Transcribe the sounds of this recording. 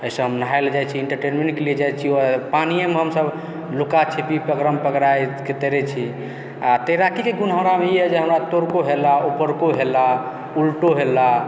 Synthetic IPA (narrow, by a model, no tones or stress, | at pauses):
əisə̃ɦəmnəɦajld͡ʒajt͡ʃʰiiɳʈəɾʈenmẽɳʈkelid͡ʒajt͡ʃʰiopanijemeɦəmsəb | lukat͡ʃʰepipəɡɾəmpəkɾajket̪əɾɛt͡ʃʰi | at̪əɾakikeɡunɦə̃mɾameiɛd͡ʒeɦəmɾat̪oɾkoɦelaupəɾkoɦela | ulʈoɦelːa